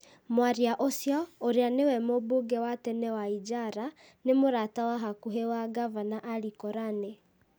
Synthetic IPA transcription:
mwaɾiaʔosjɔoɾeanewɛmobuɡɛwatɛnɛwaid͡ʒaɾa | nemoɾatawaɦakuɦewaɡavanaʔaɾikɔɾanɛ

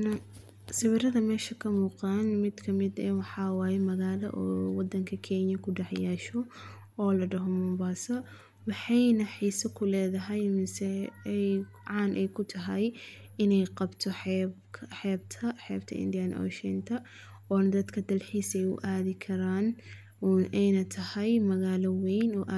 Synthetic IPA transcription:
n | sɪβɪɾɐðɐmɛːʃɐkʰɐmuːqanmɪd̪kʰɐmɪd̪ɛwɑħɑːwɑːjɛmɐɣaːlɐ̰ʔɔːwɑd̪ːɐŋkʰɐkʰɛnjɐkʰʊɖɑħjaːʃɔ | ɔːlɐɖɐɦɔmʊmbaːsɐ | wɑħɑjnɐħiːsɐkʰʊlɛːðɐɦɛjmɪsɛj | ʕɑːnʔɛjkʰʊt̪ʰɐɦɐj | ɪnɛjqɑbt̪ʰɔħbʰħɛːb̚t̪ʰɐħɛ̰ːbt̪ʰɐ̰ʔɪ̰nd̪ijɐnʔɔ̰ːʃɛ̰nt̪ʰɐ | ɔːnɐd̪ɐd̪kʰɐd̪ɐlħiːsɛjʊ̰ʔaːðɪkʰɐɾaːn | ʔɛjnɐt̪ʰɐhɛjmɐɣaːlɔwɛjnɔːʔa

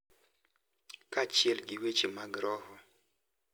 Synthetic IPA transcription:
kat͡ʃɪɛlɡiwet͡ʃemaɡɾɔhɔ

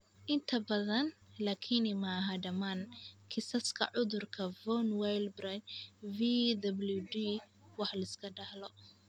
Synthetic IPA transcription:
ʔɪnt̪ʰɐbɐðɐnlaːkʰinɪmɐːɦɐɖɐmaːnkʰɪsɐskʰɐ̰ʕʊðʊrkʰɐvɔnwajlbrɐt͡ʃvid̪ɐbludi | wɑħlɐɪskʰɐɖɐhlɔ

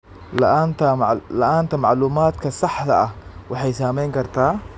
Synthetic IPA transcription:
la̰ʔant̪alaʔant̪amaʕluːmaːt̪kasˤːɑħd̪aʔawɪħajsaːmiːŋɡɑɾˤt̪a

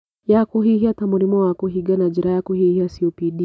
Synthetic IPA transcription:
jakuɦihiatamuɾimɔwakuɦiɡanad͡ʒiɾajakuhihiasiɔpiɗi

